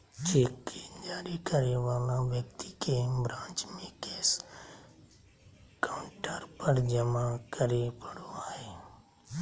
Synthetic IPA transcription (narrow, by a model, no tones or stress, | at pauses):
t͡ʃeːkːid͡ʒaːɾikəɾeʋaːlãʋjək̚t̪ikebɾãːnt͡ʃmẽkeːs | kaʊɳʈəɾpəɾd͡ʒəmakəɾepəɽoaːɦeː